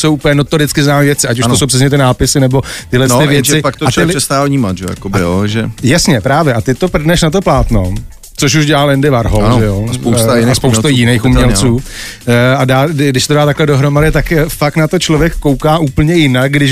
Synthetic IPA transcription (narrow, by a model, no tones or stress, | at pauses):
sowʔupəɲɛnot̪oɾɪt͡skɪznaːmivjɛt͡sɪʔacuʃʃtosowprɛs̬ɲɛt̪ɪnaːpɪsɪnɛbo̞t̪ɪɦlɛst̪ɪvjɛt͡sɪpkt̪aɪɛst̪aːlvɲiːmat̪ʒɛ̰ja̰kobɪjoʒɛjasɲɛpɾaːvjɛʔat̪ɪt̪o̞pr̩dnɛʃnat̪̬o̞plaːt̪no̞̰ | t͡soʃ̬uʒɟɛlalɪndɪvaɾɦolʒɛjospowsjspowst̪ojɪnejxumɲɲɛlt͡suː | adaːdɪʃsɛt̪odaːt̪aklɛdo̞ɦɾo̞madɪt̪akfak̪nat̪o̞t͡ʃlovjɛkːo̞wkaːʔuːpl̩ɲɛjɪnak̚ɡdɪʃ